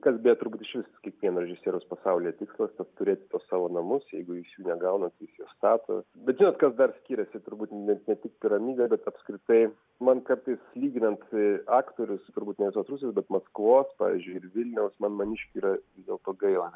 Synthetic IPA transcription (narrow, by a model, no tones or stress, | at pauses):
kɐsbʲeːjɛt̪ʊɾbuːt̪ɪʃʲʋʲɪst̪ɐskʲiɛkʋʲiɛnɾʲɛd͡ʒʒʲɪsʲeːɾʲospɐsɐʊlʲɪjɛt̪ʲɪkslˠɐst̪ɐt̪t̪ʊɾʲeːt̪ʲɪt̪oːssɑːʋoːnɐmʊsjɛɪɡʊjɪsjuːnʲɛɡɐʊnɐt̪jɪsjoːst̪ɑːt̪o̰ːbʲɛt̪ʒʲɪnoːt̪kɐsd̪ɐrsʲkʲiːɾʲɛsʲɪt̪ʊɾbuːt̪nʲɛnʲɛt̪ʲɪk̚pʲɪɾɐmʲiːbʲɛbʲɛt̪ɐpskɾʲɪt̪ɐɪ | mɐnkɐɾt̪ɐɪslʲiːɡʲɪnɐnt̪ɑːkt̪oːɾʲʊst̪ʊɾbuːt̪nʲɛʋʲɪsoːsɾusʲeːsbʲɛt̪mɐskʋoːspɑ̰ːʋʲiɪ̰zʲd͡ʒʲʊɪɪɾʋʲɪlʲnʲɛʊsmɐnmɐnʲiʃʲkʲuiːɾɐɪzd̪ʲeːlˠt̪oːɡɐɪlˠɐ